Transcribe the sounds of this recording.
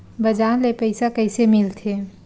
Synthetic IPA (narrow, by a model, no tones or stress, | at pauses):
bɐd͡ʒaːnlepɐɪsakɐɪsemɪlt̪ʰeː